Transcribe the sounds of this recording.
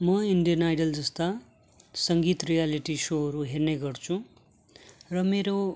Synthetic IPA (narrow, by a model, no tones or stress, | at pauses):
mʌiɳɖijʌnajɖʌld͡zʌst̪a | sʌŋɡit̪rijaliʈisoɦʌɾuɦerneɡʌrt͡sʰu | rʌmeɾo